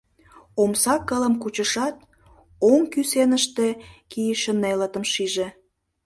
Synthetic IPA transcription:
omsɑkːələmkut͡ɕəʃɑt̪̚ | oŋkysenəʃt̪ekijəʃənelət̪əmʃiʒe

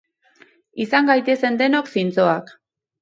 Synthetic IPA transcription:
isaŋɡajt̪e̞se̞nd̪e̞no̞ksint͡so̞ak

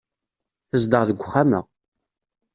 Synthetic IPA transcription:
θəzd̪əʁðəɡʷχːamə̰

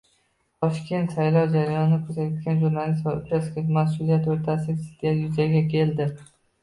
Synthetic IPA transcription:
t̪ʰɒʃkʲe̞nt̪sajlˠɒwd͡ʒaɾajɒnɪkʲʰɵzajt̪ɡʲanʒuɾnalist̪vaɾʊt͡ʃasɡʲamasulijat̪oɾt̪ʰasɪsɪ̥t̪ajʊzaɡʲakʲʰe̞ld̪ɪ

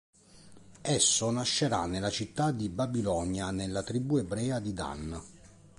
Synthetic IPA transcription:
ɛsːonaʃːeɾa̰nːelːat͡ʃit̪ːad̪ibabilɔnjanelːat̪ɾibuːebɾɛːad̪id̪a̰n

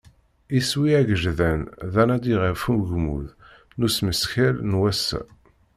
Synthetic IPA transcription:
iswiæɡəʒðænðænæd̪iʁəɾfumɡmṵð | nusməsçælnwæsæ̰

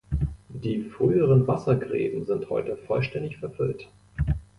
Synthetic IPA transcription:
d̥iːfʁ̥yːəʁ̞ənvasɐɡʁɛ̰ːbn̩zɪnthɔ̰ʏtəfɔlʃtɛndɪçfɛɐfʏlt

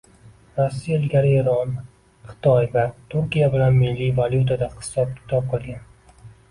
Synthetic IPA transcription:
ɾasːiɪlɡʲaɾɪeɾɒn | χɪ̥t̪ʰɒjvaɾt̪ʰuɾkʲijabɪlanmɪlːivaljut̪ʰad̪ahɪ̥sɒp̚kʲʰɪ̥t̪ʰɒp̚qʰɨlˠɡʲan

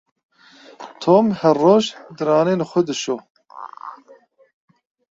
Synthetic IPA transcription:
t̪ʰoːmhɛrːoːʒd̪ɨɾɑːneːnɨxʷəd̪ɨʃoː

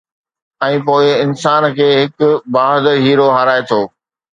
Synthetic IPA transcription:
ɛ̃ːpoːɪɪnsaːnkʰeːɦɪkʊbaːɦd̪əɾɦiːɾoɦɐɾaːet̪ʰoː

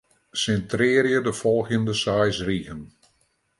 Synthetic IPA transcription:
sɛntrɪːrjədəfɔlˠɣəndəsajsriɣən

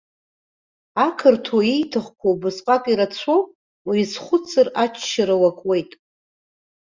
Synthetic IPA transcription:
akʰɨrtʰoijtʰɨχkʷʰobɨsqʼatʼiɾat͡sʷʰo | wiisχʷʊt͡sʰʼɨrat͡ʃʰʃaɾawakʷʼwe̞jtʼ

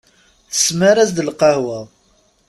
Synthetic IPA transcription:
θə̥sməɾæzd̪əlqɑhwæðˤ

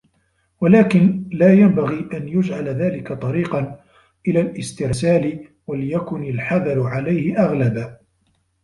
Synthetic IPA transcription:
walaːkɪnlaːjambaɣiːʔanjʊd͡ʒʕalaðaːlɪkat̪ˤɑɾiːqɑn | ʔɪlaːlʔɪst̪ɪɾsaːlɪ | waljakʊnɪlħɑðɑɾˤʊʕalajhɪʔaɣlabaː

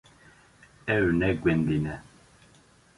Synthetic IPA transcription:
ɛwnɛɡwɛnd̪inɛ

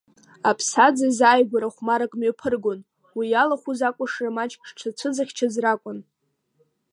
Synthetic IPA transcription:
apʰsad͡zazaːjɡʷaɾaχʷmaɾakʼmepʰɨrɡon | wijalaχʷuzakʷʼʊʂramat͡ʃʼkʰʼʂʈ͡ʂʰat͡sʷʰɨd͡zaχʲt͡ʃʰazrakʷʼʊn

